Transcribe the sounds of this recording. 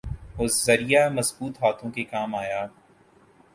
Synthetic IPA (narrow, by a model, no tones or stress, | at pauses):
ɦozɐɾijamɐzbuːt̪ɦaːt̪õkekaːmaːjaː